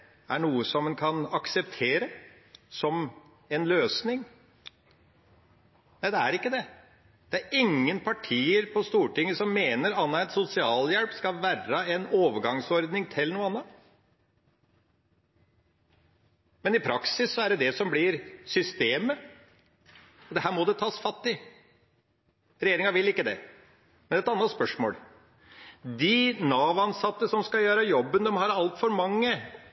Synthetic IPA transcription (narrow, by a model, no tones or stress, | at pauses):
æɳuːəsɔmːɛnkʰɑnɑksɛpt̪ʰeːɾə | sɔm | ɛnløːsnɪŋ | næɪd̪ɛæɾɪkːəd̪ɛ | d̪̥ɛæɾɪŋːənpʰɑʈʰiːəɾpʰɔst̪uːʈɪŋːəsɔmːeːnəɾɑnːɑɛt̪sʊsɪɑːljɛlpskɑʋærəɛnoːʋəɾɡɑŋsɔɾd̪nɪŋt̪ʰɪlːnuːəɑnːɑt̪ | mɛnɪpʰɾɑksɪsːɔæɖɛd̪ɛsɔmblɪɾsʏst̪eːmə | ɔd̪ɛhæːɾmɔd̪ɛt̪ʰɑːsfɑt̪ːɪ | ɾɛjeːɾɪŋɑʋɪlɪkːəd̪ɛ̰ | mɛnɛt̪ɑnːɑt̪spœʂmo̰ːl | d̪ɪnɑːʋɑnsɑt̪ːəsɔmskɑjøːɾɑjɔbːənd̪ɛmhɑɾɑlt̪fɔɾmɑŋːə